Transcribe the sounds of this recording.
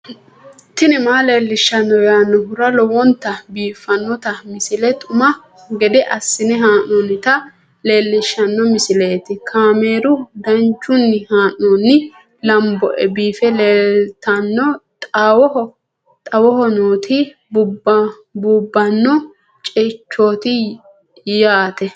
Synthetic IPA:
t̪ːɪnɪmaːle̞ːlːɪʃːɐnːɔjaːnːɔɦʊɾɐlɔwɔnt̪ːɐbiːfɐnːɔt̪ɐmɪsɪlɛt̪ʼʊmɐ | ɡɛd̪ɛʔɐsːɪnɛɦaːnɔnːɪt̪ɐ | le̞ːlːɪʃːɐnːɔmɪsɪleːt̪ɪkʰaːme̞ːɾʊd̪ɐnt͡ʃːʊnːɪhaːnːonːɪ | lɐmbɔʔɛbiːfɛleːlt̪ɐnːɔt̪ʼaːwɔhɔ | t̪ʼɐwɔhɔnoːt̪ʰɪ | bʊb | bʊbːɐnːɔ | t͡ʃʼɛt͡ʃːoːt̪ɪ | jaːt̪ɛ

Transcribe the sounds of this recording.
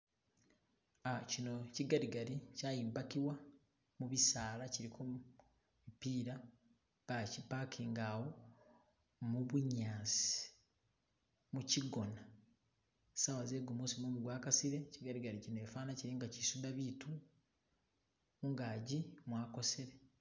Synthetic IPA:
acino̞ciɡaɾiɡaɾicaːjiːmbakiwa | muβisaːlaciɾikʰo | ipiːɾa | β̥acipakʰiːŋɡawo | muβuɲaːsi̥i̥ | muciɡo̞na | sawazeːɡumusimoːmuɡwaːkasiɾe̞ciɡaɾiɡaɾicineːfaːnaciɾiŋɡacisudaβitu | uŋɡaːɟimwaːko̞seɾe

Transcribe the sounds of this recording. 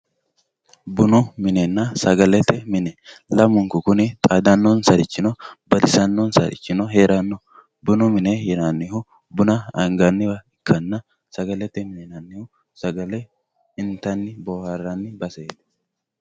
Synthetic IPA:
bʊnʊmɪnɛnːɐsɐɡɐlɛt̪ːɛmɪnɛlɐmʊŋkʊkʊnɪt̪ʼaːd̪ɐnːɔnsɐɾɪt͡ʃːɪnɔbɐd̪ɪsɐnːɔnsɐ̰ɾɪ̰t͡ʃːɪnɔɦe̞ːɾɐnːɔ | bʊnʊmɪnɛjɛnanːɪhʊ | bʊnɐɐ̰ŋɡɐnːɪbɐɪkːɐnːɐ | sɐɡɐlɛt̪ːɛmɪnɛnɐnːɪhʊ | sɐɡɐlɛ | ɪnt̪ːɐnːɪboːhɐrɐnːɪbɐseːd̪̥

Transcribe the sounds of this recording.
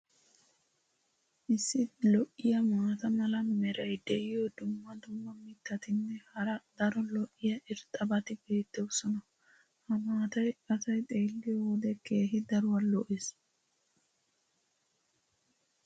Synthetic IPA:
ʔɪsːɪlɔʔːɪjɐmaːt̪ɐmɐlɐmɛɾɐjd̪ɛʔɪjɔd̪ʊmːɐd̪ʊmːɐmɪt̪ːɐt̪ɪnːɛhɐɾɐd̪ɐɾɔlɔʔːɪjɐʔɪɾt̪ʼɐbɐt̪ɪbe̞ːt̪ːɛwsɔnɐ | hɐmaːt̪ɐjɐsɐjt̪ʼe̞ːlːɪjɔwɔd̪ɛkʰe̞ːɦɪd̪ɐɾʊwɐlɔʔes

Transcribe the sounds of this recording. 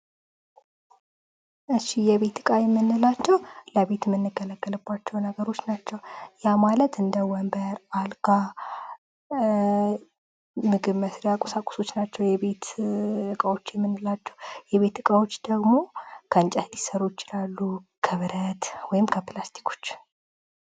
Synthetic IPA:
ʔɨʃːijɛβe̞t̪ɨkʼajɛmːɨnːɨlat͡ʃːɛwləβe̞t̪mːɨnːɨɡələɡːəlɨbːat͡ʃːɛwnəɡəɾo̞t͡ʃːnat͡ʃːɛwjamalət̪ɨnd̪əwɔmbəɾalka | mɨɡɨβməsɾijakʼɔsakʼu̥so̞t͡ʃːnat͡ʃːɛwjɛβe̞t̪ɨkʼawo̞t͡ʃːjɛmːɨnːɨlat͡ʃːɛwjɛβe̞t̪ɨkʼawo̞t͡ʃːd̪əɡmo̞kʰəɨnt͡ʃʼəhd̪isəɾujɪt͡ʃɪlalːukʰəβɨɾət̪wɔjɪmkʰəplast̪ʰi̥kʰo̥t͡ʃː

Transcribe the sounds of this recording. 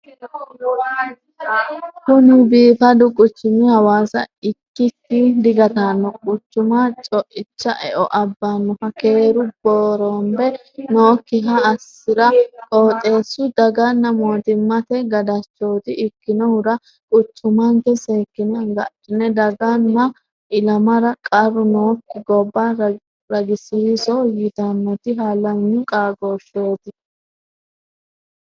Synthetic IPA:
kʊnɪbiːfɐd̪ʊkʼʊt͡ʃːʊmɪhɐwaːsɐɪkːɪtːɪd̪ɪɡɐt̪anːɔkʼʊt͡ʃːʊmat͡ʃʼɔʔɪt͡ʃːɐʔɛ̰ʔɔʔɐbːanːɔhɐke̞ːɾʊb̥oːɾɔmbɛ | noːkːɪɦɐːsːɪɾɐkʼoːt̪ʼe̞ːsːʊd̪ɐɡɐnːɐmoːt̪ɪmːɐt̪ɛɡɐd̪ɐt͡ʃːoːt̪ɪɪkːɪnɔhʊɾɐ | kʼʊtːʊmɐŋkɛse̞ːkːɪnɐɡɐᶑɪnɛd̪ɐɡɐnːɐ | ʔɪlɐmɐɾɐkʼɐrʊnoːkːɪɡɔbːa | ɾɐɡɪsɪsɔjɪt̪ɐnːɔt̪ɪɦaːlɐɲːʊkʼaːɡoːʃoːt̪ɪ

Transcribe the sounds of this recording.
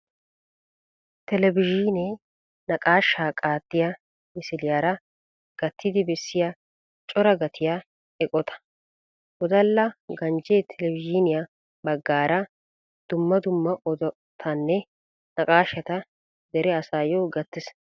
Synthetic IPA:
t̪ɛlɛbɪʒɪne | nɐkʼaːʃːaːkʼaːt̪ːɪjɐ | mɪsɪlɪjaːɾɐ | ɡ̥ɐt̪ːɪd̪ɪbɛsːɪja | t͡ʃʼɔɾɐɡɐt̪ʰɪja | ɛkʼɔt̪ɐ̥ | wɔd̪ɐlːɐɡɐnd͡ʒeːt̪ʰɛlɛvɪd͡ʒɪnɪjɐ | bɐɡːaːɾɐ | d̪̥ʊmːɐd̪ʊmːɐʔɔd̪ɔ | t̪ʰɐnːɛ | nɐkʼaːʃɐt̪ɐ | d̪ɛɾɛɐsaːjoɡɐt̪ːɪs

